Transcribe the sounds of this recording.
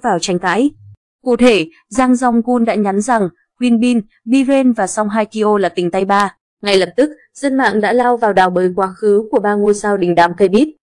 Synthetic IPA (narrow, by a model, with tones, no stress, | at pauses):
vaː˨˩wt͡ɕa˧˩jŋ̟t̪a̰ː˧˥j | kṵ˧˩t̪ʰe˧˩ | zaː˧ŋza˧wŋ͡mku˧nɗa̰ː˧˥ɲa˨˦nza˨˩ŋ | hwi˧ənɓi˧n | ɓi˧ve˧nvaː˨˩sa˧wŋ͡mɦaː˧jki˧ʔo˧laː˨˩t̪ï˨˩ŋ̟t̪a˧jɓaː˧ | ŋa˨˩jlə˨˩p̚t̪ɨ˦˥k̚ | z̥ə˧nma̰ː˧˨ŋɗa̰ː˧˥laː˧wvaː˨˩wɗaː˨˩wɓəː˨˦jkwaː˨˦xɨ˨˦ku˧˩əɓaː˧ŋu˧əsaː˧wɗï˨˩ŋ̟ɗa̰ː˧˩mkə˧jɓi˦˥t̚